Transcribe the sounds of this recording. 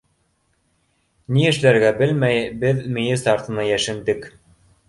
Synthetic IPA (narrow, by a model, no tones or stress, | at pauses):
niɘ̆ʃlæɾɡæbɘlmæjbɘðmĭjɘsɑɾt̪ɤ̆nɑjæʃɘ̆nd̪ɘk